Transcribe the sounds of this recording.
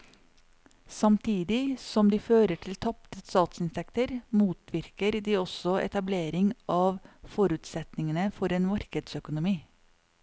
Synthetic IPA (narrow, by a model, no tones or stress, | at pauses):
sɑmt̪ʰiːd̪ɪsɔmd̪iːføːɾəʈʰɪlt̪ʰɑp̚t̪əst̪ɑːt̪sɪnt̪ʰɛkt̪əɾmuːt̪ʰʋɪɾkəɾd̪iːɔsɔʔɛ̰t̪ɑbleːɾɪŋʔɑːʋfɔɾʉːt̪sɛt̪nɪŋənəfɔɾeːnmɑɾkəd̪sœkʊnʊmiː